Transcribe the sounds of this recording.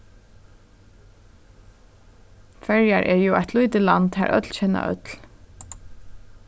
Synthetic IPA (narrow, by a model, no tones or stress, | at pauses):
fɛɹjaɹʔɛɹjuːa̰jt̪ʰlujt̪ɪlant̪ha̰ːɹʔœ̰t̪lçɛnːa̰ʔœ̰t̪l